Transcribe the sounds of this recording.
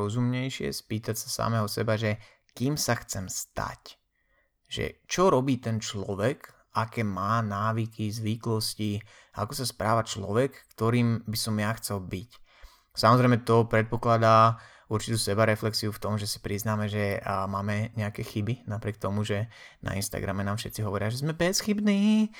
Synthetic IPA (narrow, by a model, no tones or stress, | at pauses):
ɔzumɲɛjʃɪɛ̰spiːt̪acsḁsa̰mɛːɦɔsɛbaʒɛ | kiːmsaxt͡sɛmst̪a̰c | ʒɛ̰t͡ʃɔɾɔbiːt̪ɛnt͡ʃlɔ̰ʋɛk | akɛːmaːnaːʋikʰizʋiklɔsci | ʔa̰kɔsaspɾaːʋat͡ʃlɔʋɛkːt̪ɔɾiːmbisɔmjaxt͡sɛlbic | samɔzɾɛɪmɛt̪ɔpɾɛt̪̚pɔklad̪aː | uɾt͡ʃi̥t̪uːsɛbaɾɛflɛksiuft̪ɔmʒɛsi̥pɾiznaːmɛʒɛmaːmɛɲɛakɛxibinapɾɪɛk̚t̪ɔmuʒɛna̰inst̪a̰ɡɾa̰mɛnaːmʃɛ̰t̪t͡siɦɔʋɔɾɪaʒɛzmɛbɛsxibniː